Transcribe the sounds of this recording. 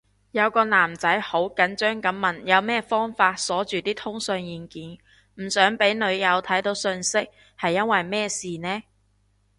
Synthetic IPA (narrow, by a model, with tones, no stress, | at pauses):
jɐ˨˧wkɔː˧naː˨˩mt͡sɐ˨˥jho˨˥wkɐ˨˥nt͡ʃœː˥ŋkɐ˨˥mːɐ˨˩njɐ˨˧wmɛː˥fɔː˥ŋfaː˧t̚sɔː˨˥t͡ʃyː˨˩t̪iː˥t̪ʰʊ˥ŋsɵ˧ŋjiː˨nkiː˨˥n | m̩˨˩sœː˨˥ŋpe˨˥jnɵ˨˧ɥjɐ˨˧wt̪ʰɐ˨˥jt̪o˨˧wsɵ˧nsɪ˥k̚ | hɐ˨jːɐ˥nwɐ˨jmɛː˥˩siː˨nɛː˥